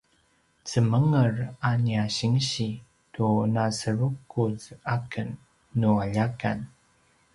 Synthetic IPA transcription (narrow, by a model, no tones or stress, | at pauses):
t͡səməŋəraniaɕiŋɕi | tunasəɾukuzakənː | uaʎaka̰n